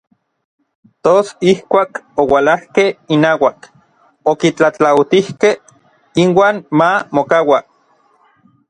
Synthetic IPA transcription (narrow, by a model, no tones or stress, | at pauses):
t̪osihkʷaːkowalahkeinaːwak | okit͡ɬat͡ɬawt̪ihkeh | inwaːnmamokawa